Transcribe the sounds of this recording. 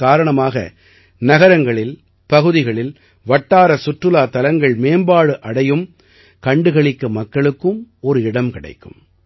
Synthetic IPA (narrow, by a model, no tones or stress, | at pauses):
kaːɾɐɳɐmaːɣɐ̰ | nɐɣɐɾɐŋɡɐɭɪl | pɐɣɯðɪɣɐɭɪl | ʋɐʈːaːɾɐsʊʈrɯlaːt̪ɐlɐŋɡɐɭmeːmbaːɽɯʔɐɽɐjɯm | kɐɳɖɯɣɐɭɪkːɯmɐkːɐɭɯkːɯmɔɾɯɪɽɐmkɪɽɐ̰ɪkːɯ̰m